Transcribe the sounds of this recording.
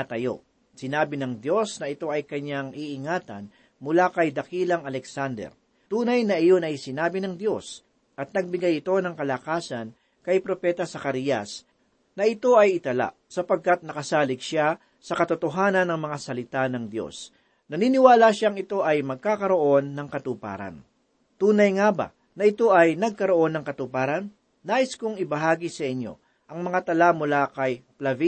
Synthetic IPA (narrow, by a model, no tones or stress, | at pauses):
ɐt̪ɐjo̞̰ | sɪnaːbɪnɐŋd̪jo̞snɐʔɪt̪o̞ɐjkɐɲaŋiʔɪŋaːt̪ɐ̰n | mʊlakɐjd̪ɐkiːlɐŋɐlɛksand̪ɛ̰ɾ | t̪uːnɐjnɐʔɪjonɐjsɪnaːbɪnɐŋd̪jo̞s | ʔɐt̪̚nɐɡ̚bɪɡajɪt̪o̞nɐŋkɐlakaːsɐn | kɐjpɾo̞pɛt̪ɐsɐkɐɾijɐ̰s | nɐʔɪt̪o̞ɐjɪt̪ɐla̰ | sɐpɐɡ̚kɐt̪̚nɐkɐsaːlɪɡ̚ʃa | sɐkɐt̪ʊt̪oɦaːnɐnːɐŋmɐŋasɐlɪt̪anɐŋd̪jo̞̰s | nɐniːnɪwaːlaʃaŋɪt̪o̞ʔɐjmɐɡ̚kaːkɐɾo̞ʔo̞nːɐŋkɐt̪upa̰ːɾɐ̰n | t̪uːnɐjŋabɐ̰ | nɐʔɪt̪o̞ʔɐjnɐɡ̚kɐɾo̞ʔo̞nːɐŋkɐt̪upaːɾɐnː | aːʔɪskʊŋɪbɐɦaːɡisɐʔɪɲjo̞̰ | ʔɐŋmɐŋat̪ɐlamʊlakɐjplɐvi